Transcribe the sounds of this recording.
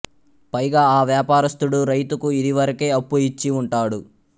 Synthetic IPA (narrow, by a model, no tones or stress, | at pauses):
pɐjɡaːaːʋjaːpaːɾɐst̪uɽuɾɐjt̪ukuid̪iʋɐɾɐke̞ːɐpːuit͡ʃːiuɳʈaːɽu